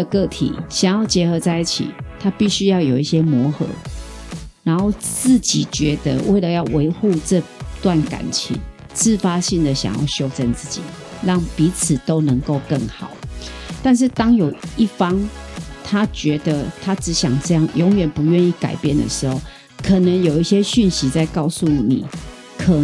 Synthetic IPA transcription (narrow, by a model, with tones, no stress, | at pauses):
kɤ˥˩t̪ʰḭ˨˩˦ɕjɑ˨˩ŋjɑ˥˩ʊt͡ɕjɛ˧˥xɤ˧˥t͡sa˥˧ɪi˥˩t͡ɕʰḭ˨˩t̪ʰa˦pi˥˩ɕy˦˥jɑ˥˩ʊjo˨˩ʊi˥˩ɕjɛ˥mwɔ˧˥xɤ̰˧˦ | na˧˦nxo˥˧ʊt͡sɹ̩˥˩t͡ɕi˨˩t͡ɕɥɛ˧˦d̪ə̰˧˦wʔe˥˩ɪlə˨jɑ˥˩ʊwe˧˥ɪxu˥˧ʈ͡ʂɤ˥˧t̪wa˥˨˩nka̰˨˩nt͡ɕʰḭ˧˦ŋ | t͡sɹ̩˥˨fa˦˥ɕi˥˩nd̪ə˨˩ɕjɑ̰˨˩ŋjɑ̰˥˩ʊɕjo˥ʊt͡sə˥˧nt͡sɹ̩˥˩t͡ɕḭ˨˩˦ | lɑ˥˩ŋpi˨˧˥t͡s̩ʰ˨˩t̪o˦ʊnə˧˦ŋko˥˧ʊkə˥˩ŋxɑ˨˩˦ʊ | t̪a˥˧nʂ̬ɻ̩˥˩t̪ɑ˥ŋjo˨˩ʊi˥˩fɑ˦˥ŋt̪ʰa˦t͡ɕɥɛ˧˥d̪ə˧t̪ʰa˥ʈ͡ʂɻ̩˧˥˦ɕjɑ˨˩ŋʈ͡ʂɤ˥˧jɑ˥˩ŋjɔ˧˥ŋɥɛ˨˩npu˧˦ɥɛ˥˧ni˥˩ka̰˨˩ɪpjɛ˥˩nd̪ə̰˩ʂɻ̩˧˦xo˥˨˩ʊ | kʰə˨˩nə˨˦ŋjo˨˩ʊi˥˩ɕjɛ˦˥ɕy˥˨nɕi˧˦t͡sa˥˧ɪkɑ˥˧ʊsu˥˩nḭ˨˩˦ | kʰə˨˩